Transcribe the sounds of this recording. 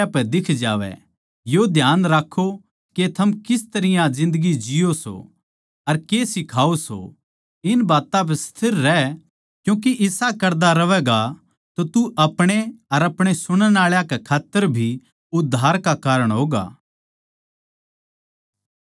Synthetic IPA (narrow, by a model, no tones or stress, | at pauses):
apɛd̪ɪkʰd͡ʒaːʋɛ̰ | jod̪ʱjaːnɾakʰːo | ket̪ʰɐmkɪst̪ɐɾɪjãd͡ʒɪ̃nd̪əɡid͡ʒɪjoso̰ | ɐɾkeːsɪkʰaːoso̰ | ɪnbaːt̪ãpɛst̪ʰɪɾːɛ | kjũːk̬iʔɪsakɐɾd̪aɾɐʋɛːɡa | t̪ot̪uʔɐpɽ̃eɐɾɐpɽ̃esʊɽ̃ənaːɭjakekʰaːt̪ːəɾbʱi | ʊd̪ʱːaːɾkakaːɾəɽ̃ɦoːɡa̰ː